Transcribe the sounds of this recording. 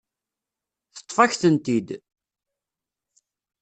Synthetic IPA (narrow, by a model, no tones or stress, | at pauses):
θə̥t̪ˤːfɑçθənt̪id̪